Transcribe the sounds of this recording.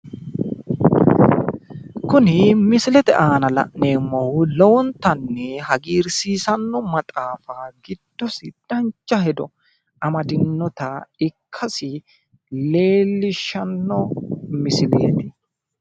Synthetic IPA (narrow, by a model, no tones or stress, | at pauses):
kʊnɪmɪsɪlɛt̪ɛʔaːnɐlɐ̰ʔneːmːɔhʊlɔwɔnt̪ɐnːɛhɐɡiːɾsiːsɐnːɔmɐt̪ʼaːfaɡɪd̪̥ːɔsɪd̪̥ɐnt͡ʃːɐɦɛd̪ɔ | ɐmɐd̪ɪnːɔt̪ɐɪkʰːɐsɪ | le̞ːlːɪʃɐnːɔmɪsɪlḛːt̪ɪ